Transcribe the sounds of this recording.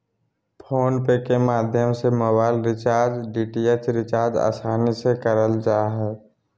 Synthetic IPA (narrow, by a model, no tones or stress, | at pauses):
pʰoːnpekemaːd̪ʱjəmsemoːbaːɪlɾɪt͡ʃaːɾd͡ʒɖiːʈiet͡ʃɾɪt͡ʃaːɾd͡ʒa̰ːsaːnisekəɾəld͡ʒaːɦɛː